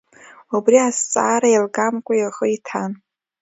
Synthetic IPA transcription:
ubriast͡sʼa̰ːɾajilɡamkʷʼajaχəitʰan

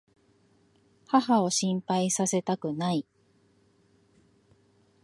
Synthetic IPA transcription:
haɦao̞ɕĩmpaisase̞t̪akɯ̟nai

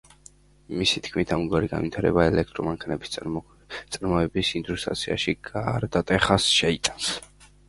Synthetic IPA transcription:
misit̪ʰkʰmit̪ʰamɡwaɾiɡa̰nvit̪ʰaɾɛ̰baɛlɛk̚ʰt̪ʼɾɔmaŋkʰanɛbi̥s | t̪sʼaɾmɔɛbisind̪ɾust̪ʼɾa̰t̪sʰia̰ʃiɡ̥aɾd̪at̪ʼɛχasʃɛit̪ʼans

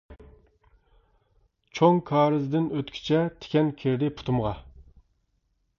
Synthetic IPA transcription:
t͡ʃʰoŋkʰɑːɾɨzd̪ɪnøt̪kʲʰi̥t͡ʃʰɛt̪ʰe̥kʲɛnkʲʰeɾd̪ɪpʰu̥t̪ʰumʁɑ

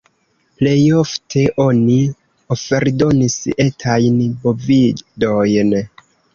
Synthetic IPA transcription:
ple̞jo̞ftʰe̞ʔo̞ni | o̞fe̞ɾdo̞nise̞tʰajnbo̞vido̞jn

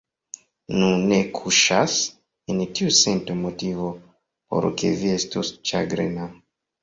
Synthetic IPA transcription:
nunekʰuʃas | entiusentomotivo | po̰ɾkḛviestust͡ʃaɡɾena

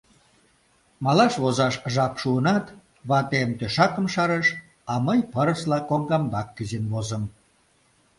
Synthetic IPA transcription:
mɑlɑʃβozɑʃʒɑpʃuənɑt̪ | βɑt̪emt̪øʃɑkə̆mʃɑɾəʃ | ɑməjpəɾəslɑkoŋɡɑmbɑkːəzinβozəm

